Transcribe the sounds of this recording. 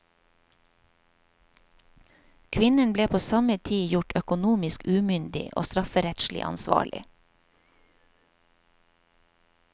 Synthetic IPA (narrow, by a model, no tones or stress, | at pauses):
kʰʋɪnənbleːpʰoːsɑmət̪ʰiːjʊʈʰœkʊnuːmɪskʉːmʏnd̪ɪ̰ʔo̰ːst̪ɾɑfəɾɛt̪ʃlɪ̰ʔɑ̰nsʋɑ̰ːɭɪ̰